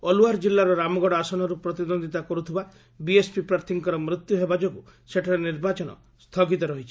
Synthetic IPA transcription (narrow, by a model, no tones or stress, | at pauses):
ɔluɦaɾd͡ʒilːaɾɔɾamɔɡɔɽɔasɔnɔɾupɾɔt̪id̪ond̪ʱit̪akɔɾut̪ʰiba | biespipɾaɾt̪ʰiŋkɔɾɔmɾit̪juɦebad͡ʒɔku | seʈʰaɾeniɾbat͡ʃɔnɔ̰ | st̪ʰɔɡit̪ɔɾɔɦit͡ʃʰi